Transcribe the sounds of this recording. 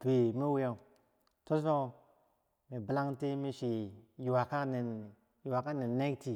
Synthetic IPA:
pe˨mi˦we˦ja˨ | to˦so˦ | mi˨bla˦ŋte˦mi˦ʃi˨ji˨wa˨ka˦ne˨n | ji˨wa˨ka˦ne˨nne˦kti˨

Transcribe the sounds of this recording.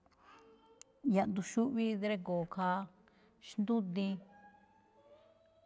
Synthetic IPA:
ja˧ʔnd̪u˧ʃu˦ʔβi˦d̪ɾe˧koː˨kʰa˦ | ʃnd̪ũ˦t̪ĩ˧

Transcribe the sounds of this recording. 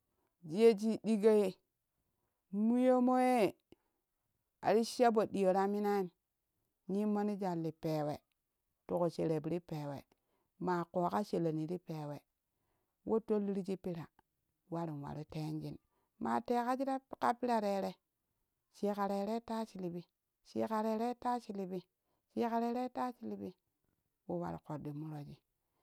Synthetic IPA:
d͡ʒe˦d͡ʒi˦di˦ɡa˦je˦ | mu˦jo˦mo˦je˦˨ | a̰˨ɾi˦ʃa˦bo˨di˨jo˨ɾa˦mi˦na˦i˦n˨ | ɲi˦mo˦ni˦d͡ʒa˨lːi˨pe˨we˨ | tu˨ko˨ʃe˨ɾe˨bi˨ɾi˦pe˨wḛ˨ | ma˨ko˨ka˦ʃe˨le˨ni˨ɾi˦pe˨we˨ | wʔo˦to˦lːi˦ɾi˦d͡ʒi˦pi˦ɾa˨ | wa˦ɾi˨n˨wa̰˨ɾi˦te˦nd͡ʒi˦n | ma̰˨te˨ka˦d͡ʒi˦ɾa˦ka˦pi˦ɾa˨ɾe˨ɾe˦ | t͡ʃi˦ka˨ɾe˨˦ɾe˦ta˦t͡ʃi˨li˨bi˦ | t͡ʃḭ˦ka˨ɾe˨˦ɾe˦ta˦t͡ʃi˦li˨bi˦ | t͡ʃi˦ka˨ɾe˦ɾe˦ta˦t͡ʃi˦li˨bi˦ | wo˦wa̰˦ɾḭ˨ko˨di˨mu˦ɾo˨d͡ʒi˦

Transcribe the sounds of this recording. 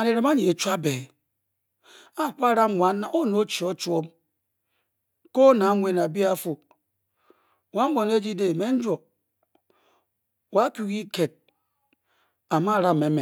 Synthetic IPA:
a˨ni˨ɾe˨ma˦ɲi˨e˨t͡ʃu˦a˦be˨ | a˦˨k͡pa˦ɾa˦m˦ŋʷa˨na˨ʔo˦no˦t͡ʃi˨o˦t͡ʃu˦o˦m | ko˦na˨˦ŋʷe˨n˨a˨bi˦a˦fu˨ | wa˦m̩˦bo˨n˦e˦d͡ʒi˦de˨me˦n̩˦d͡ʒʷo˨ | wa˦ku˦ɣi˦ke˨t̚ | a˨ma˦˨ɾa˦˨me˨me˨

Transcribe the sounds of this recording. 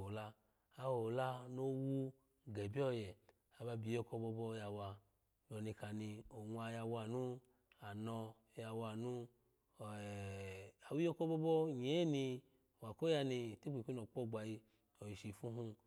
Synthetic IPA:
o˨la˧ | a˧wo˨la˦no˦wu˦ | ɡɛ˨bi˦ɔ˦˨jɛ˨ | a˨ba˧bi˨jo˧kɔ˧bɔ˧bɔ˧ja˧wa˧ | bɔ˨ni˧ka˨ni˧o˨ŋʷa˧˨ja˧wa˧˨nu˦ | a˨nɔ˧˦ | ja˧wa˧˨nu˦˨ | a˨wu˦jo˦ko˦bɔ˧˦bɔ˦ɲe˨˦ni˧ | wa˨ko˦ja˧ni˧˨ti˦k͡pi˨kʷi˦no˨k͡pɔ˦˨ɡ͡ba˨ji˧ | o˨ji˨ʃi˨fu˦ɦu˧

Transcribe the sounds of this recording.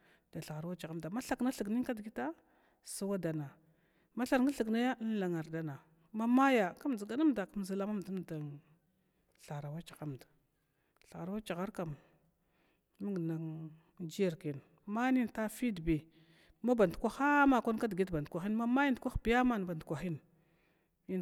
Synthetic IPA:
d̥a˨ɬa˨ɣa˨ɾwa˦t͡ʃa˨ɣa˦mda˨ma˦ɬa˨kna˦ɬə˨ɡni˦ŋ˦ka˦dɡi˦ta˦ | sa˦wa˦da˨na˨ | ma˦ɬa˨ɾŋa˦ɬə˨ɡna˦ja˦n˦la˨ŋa˨ɾda˦na˨ | ma˦ma˦ja˨ka˦m˨di˨ɡa˦na˦m˦da˨ka˦m˨za˨la˦ma˦m˨da˦m˨da˨ŋ | ɬa˨ɾa˨wa˦t͡ʃḁ˨ɣa˦m˨da˨ | ɬa˨ɣɾa˨˦wa˦t͡ʃa˨ɣa˦ɾka˨m | mi˦ŋɡna˨ŋ | d͡ʒi˦ja˨ɾki˨n˨ | ma˦ni˦nta˦fi˦dbi˨ | ma˦ba˨ndkʷa˦xa˦ma˨kʷa˦n˦ka˦dɡi˦dba˨dkʷa˨xi˦nma˦ma˦ja˦ndkʷa˦xbi˦ja˦ma˦n˨ba˨ndkʷa˨xi˦n | i˦n

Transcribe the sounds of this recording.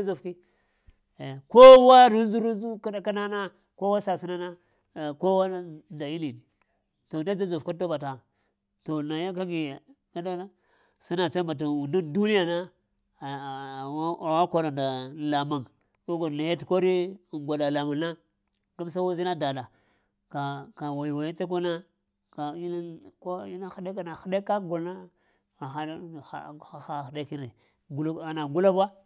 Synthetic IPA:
a˦zo˨fki˦˨ | ko˦wa˦ɾu˦nzu˦ɾu˦nzu˦ka˦da˦ka˦na˦na˦ | ko˦wa˦sa˨si˦na˦na˦˨ | ko˦wa˦nda˨i˦li˨ni˨ | to˨na˦d͡ʒa˦zo˨fka˦do˦ba˨ta˨ | to˨na˨ja˦ka˦ɡi˨ | ka˦da˦ | si˦na˨sa˦mba˨t̬a˨wu˨ndu˦ndu˦ni˦ja˨na˦˨˦ | wa˦ko˨ɾa˨nda˨la˨ma˨ŋ | ko˦ɡo˨na˨ja˦tko˦ɾi˦˨ŋɡʷa˨da˨la˨ma˨na˦ | ɡa˦m˦s̬a˦wa˦zi˦na˦da˨la˨ | ka˨ka˨wa˨ji˨wa˨ji˦ta˦k̬o˦na˦ | ka˨i˦na˦ko˦i˦na˦xa˦da˦ka˦na˨xa˨da˦ka˦ɡu˨lna˦ | a˨xa˦˨˦a˦xa˦˨xda˦ki˦nɾi˨ | ɡu˦a˨na˨ɡu˦la˦ba˦

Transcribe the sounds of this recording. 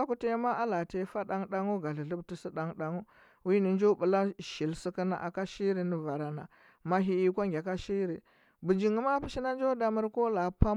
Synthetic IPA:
a˦ku˦te˦ma˦ʔa˦la˨te˦fa˦ɗa˦ŋɗa˦ŋu˦ɡa˨ɬi˨ɮu˦bti˦si˦ɗa˦ŋɗa˦ŋu˦ | wi˦ni˨nd͡ʒo˦bu˨la˦ʃi˨lsi˦ki˦na̰˦˨ʔa˨ka˦ʃi˦ɾi˦ni˨va˨ɾa˨na̰˨ | ma˦ɦi˦i˦kʷa˦ŋɡʲa˨ka˦ʃi˦ɾi˨ | bu˨d͡ʒi˨ŋu˦ma˦pi˦ʃi˦na˦nd͡ʒo˦da˨mə˦ɾko˦la˨pa˦

